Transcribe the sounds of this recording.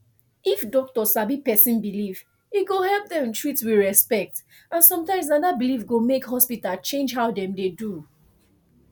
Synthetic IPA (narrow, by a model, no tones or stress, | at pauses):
ifdɔk̚tɔsabipɛsĩnbiliv | iɡohɛlp̚dɛ̃m̃ntʰɹitswiɹɛspɛk̚t | ʔãnsɔ̃mtãɪ̃ms̬ãdabilivɡomekɦɔspitalt͡ʃẽnd͡ʒɦaʊdɛ̃mdedu